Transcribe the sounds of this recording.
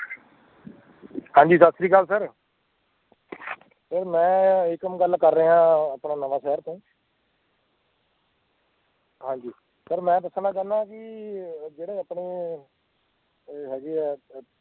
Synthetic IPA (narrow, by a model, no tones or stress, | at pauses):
ɦãːɲd͡ʒiːsət̪sɾiːkəlsəɾ | səɾmɛ̃ːɪkəmɡəlkəɾːəɦãːəpɳaːnəʋaːʃɛːəɾt̪õː | ɦãːɲd͡ʒiː | səɾmɛ̃ːpəsənãːkɛːnaːkɪ | d͡ʒeːɽeːəpɳeː | ɦɛːɡiː